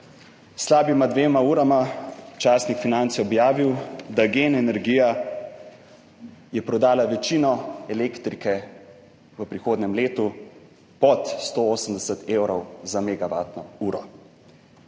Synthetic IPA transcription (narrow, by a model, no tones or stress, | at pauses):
slaːbimad̪ʋeːmauːɾamat͡ʃaːsnikfinant̪siɔbjaːʋiwd̪aɡeːnɛnɛɾɡija | jɛpɾɔd̪aːlaʋɛt͡ʃiːnɔɛleːkt̪ɾikɛ | ʋəpɾixoːd̪nɛmleːt̪u | pɔt̪st̪ooːsəmd̪ɛsət̪ʰeːwɾɔwzameɡaʋa̰ːt̪nɔuːɾɔ